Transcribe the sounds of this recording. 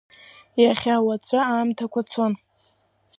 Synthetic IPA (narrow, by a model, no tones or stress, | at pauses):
jaχʲawat͡sʷʰʼaamtʰakʷʰat͡sʰon